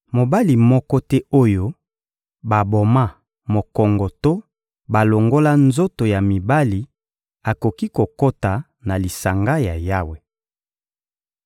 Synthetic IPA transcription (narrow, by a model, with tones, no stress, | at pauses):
mo˨ba˦li˨mɔ˦kɔ˦tɛ˦o˦jo˦ | ba˨bo˨ma˦ | mo˨kɔ˨ŋɡɔ˨to˦ | ba˨lo˨ŋɡo˦la˦nzo˦to˨ja˨mi˨ba˦li˨ | a˨ko˨ki˦ko˨ko˦ta˨ | na˨li˨sa˨ŋɡa˦ja˨ja˦we˨